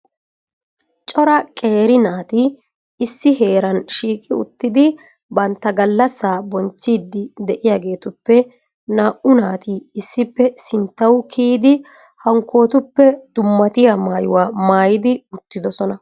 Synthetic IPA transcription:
t͡ʃʼɔɾɐkʼe̞ːɾɪnaːt̪ɪ | ɪsːɪhe̞ːɾɐnʃiːkʼɪʊ̰t̪ːɪd̪ɪ | bɐnt̪ːɐɡɐlːɐsːaːbɔnt͡ʃːiːd̪ːɪd̪ɛʔɪjaːɡe̞ːt̪ʊpːɛ | naːʔʊnaːt̪iɪsːɪpːɛsɪnt̪ːɐwkʰiːd̪ɪ | hɐŋkʰːo̞ːt̪ʊpːɛd̪̥ʊmːɐt̪ɪjamaːjʊ̰waːmaːjɪd̪ɪʊt̪ːɪd̪ɔsɔnɐ

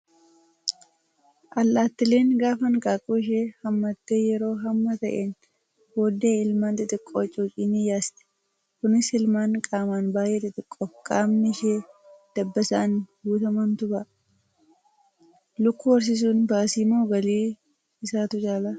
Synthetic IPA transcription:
ʔɐlːaːt̪ːɪle̞ːnɡaːfɐnkʼaːkʼuːɪʃ̬eːhɐmːɐt̪ːeːjɛɾo̞ːɦɐmːɐt̪ɐʔeːn | woːd̪eːɪlmaːnt̪ɪt̪ʼɪkʼːoːt͡ʃʼoːt͡ʃʼiːnijaːst̪ɛ̥ | kʊnɪsɪlmaːŋkʼaːmaːnbaːjʔeːt̪ɪt̪ʼɪkʼːɔfkʼaːmnɪʃeːd̪̥ɐbːɐsɐːnbuːt̪ɐmɐnt̪ʊbɐ | lʊkːʊwɐɾs̬ɪs̬uːnbaːsiːmoːɡɐliː | ɪsaːt̪ʊt͡ʃʼaːlaː

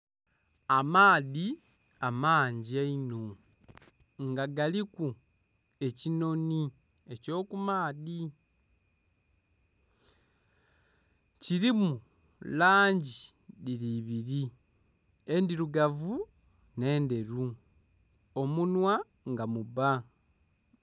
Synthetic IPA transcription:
amaːði | amaːɲɟiaino̞ | ŋɡaɡaliku | e̞cino̞ni | e̞co̞ːkumaːði | ciɾimu | laːɲɟi | diliβiɾi | e̞ndiɾuɡavu | ne̞ːnde̞ɾu | o̞munwa | ŋɡamuβa

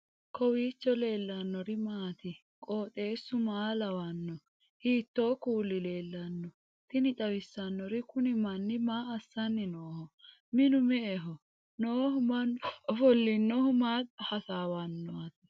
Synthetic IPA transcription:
kʰɔwiːt͡ʃːɔle̞ːlːɐnːɔɾɪmaːt̪ɪ | kʼoːt̪ʼe̞ːsːʊmaːlɐwɐnːɔ | hiːt̪ːo̞ːkuːlːɪle̞ːlːɐnːɔ | t̪ɪnɪt͡ʃʼɐwɪsːɐnːɔɾɪkʊnɪmɐnːɪmaːɐsːɐnːɪnoːhɔ | mɪnʊmɛʔɛɦɔ | noːhʊmɐnɔfɔlːɪnːɔhʊmaːt̪̚hɐsaːwɐnːɔɐt̪ɪ̥

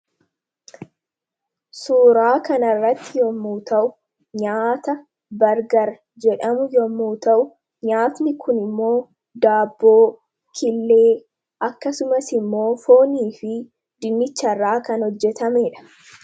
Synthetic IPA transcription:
suːɾaːkɐnɐrːɐt̪ːɪjɔmːuːt̪ɐʔʊ | ɲaːt̪ɐ | bɐɾɡɐɾ | d͡ʒɛᶑɐmʊjɔmːuːt̪ɐʔʊ | ɲaːt̪nɪkʰʊnɪmːo̞ː | d̪aːbːoː | kʰɪlːe̞ː | ʔɐkːɐsʊmɐsɪmːo̞ːfo̞ːniːfɪ | d̪ɪnːɪt͡ʃːɐrːaːkɐnhɔd͡ʒːɛt̪ɐmeːᶑɐ̥

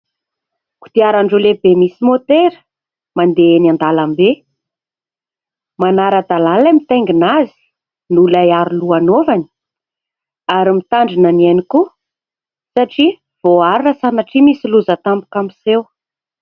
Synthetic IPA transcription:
ku̥t̪iaɾaɳɖ͡ʐulebemisimot̪eɾə̥ | mand̪eenand̪alambe | manaɾəd̪alalamit̪eŋɡinazi̥ | nulajaɾiluanovani̥ | aɾimit̪aɳɖ͡ʐinanianiku | saʈ͡ʂi | v̥oaɾirasanaʈ͡ʂimisiluzət̪ambu̥kamisew

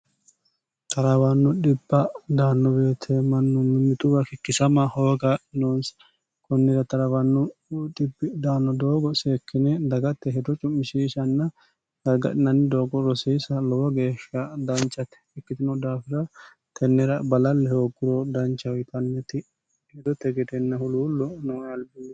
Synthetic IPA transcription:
t̪ɐɾɐbɐnːʊᶑɪbːɐd̪aːnːɔbe̞ːt̪ʰɛmɐnːɔmɪnːɪt̪ʊbɐkɪkːɪsɐmɐhoːɡɐᶑɪnons | kʰɔnːɪɾɐt̪ɐɾɐbɐnːʊᶑɪbːɪd̪aːnːɔd̪o̞ːɡɔseːkʰːɪnɛd̪ɐɡɐt̪ːɛɦɛd̪ɔt͡ʃʼʊmːɪʃiːʃɐnːɐ | ɡɐɾɡɐ̰ᶑɪnɐnːɪd̪o̞ːɡɔɾɔsiːsɐlɔwɐɡeːʃːɐd̪ɐnt͡ʃʼːɐt̪ɛ̥ɛkːɪt̪ɪnɔd̪aːfɪɾɐ | t̪ʰɛnːɛɾɐbɐlɐlːɛhoːɡːɪɾɔd̪ɐnt͡ʃːɐwɪt̪ʼɐnːɛt̪ɪ | hɛd̪ɔt̪ːɛɡɛd̪ɛnːɐhʊluːlːɔnɔwjɐlbi

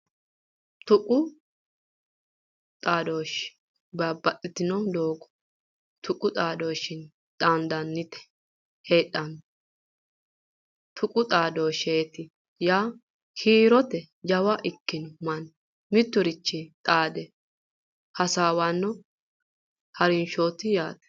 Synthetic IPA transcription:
t̪ʊkʼʊ | t̪ʼaːd̪oːʃ | bɐbːɐt̪ʼːɪt̪ɪnɔd̪oːɡɔ̥ | t̪ʊkʼːʊt̪ʼaːd̪oːʃɪn | t̪ʼaːnd̪ɐnːɪt̪ɛ̥ | heːᶑʼːɐn | t̪ʰʊkʼʊt̪ʼaːd̪oːʃeːt̪ɪ | jaː | hiːɾɔt̪ɛ | d͡ʒɐwɐʔɪkːɪnɔmɐn | mɪt̪ːʊɾɪt͡ʃːɪt̪ʼaːd̪ɛ | hɐsaːwanːɔ | hɐɾɪnʃoːt̪ɪjaːt̪ɛ̥

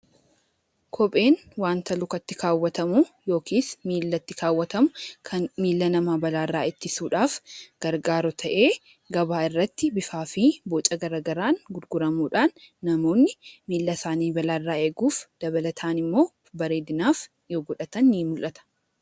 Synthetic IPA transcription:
kʰɔpʼe̞ːnwaːnt̪ɐlʊkɐt̪ːɪkʰaːwːɐt̪ɐmuːjo̞ːkiːsmiːlːɐt̪ːɪkaːwːɐt̪ɐmʊkʰɐnmiːlːɐnɐmaːbɐlaːrːaːɪt̪ːɪsuːᶑaːfɡ̥ɐɾɡaːɾɔt̪ʰɐʔeː | ɡɐbaːɪrːɐt̪ːɪbɪfaːfiboːt͡ʃʼɐɡɐɾaːɡɐɾaːnɡʊɾɡʊɾɐmuːᶑaːnːɐmo̞ːnːɪmiːlːɐsaːniːbɐlaːrːaːeːɡuːfd̪̥ɐbɐlɐt̪ʰaːnɪmːo̞ː | bɐɾeːd̪ɪnaːf | joːɡɔᶑɐt̪ɐnːiːmʊlʔɐt̪ɐ̥

